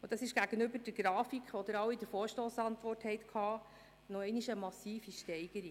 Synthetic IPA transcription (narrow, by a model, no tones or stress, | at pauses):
ʊd̥̪ɑsɪʃɡ̥æɡ̥ənʏbəɾd̥əɡ̥ɾɑːfikʰʋɔd̥̪əɾɑwidəɾfoːʃtoːsɑntʋɔrthɛɪtkʰhɑː | nɔɛɪniʃəmɑsiːfiʃtɛɪɡəɾi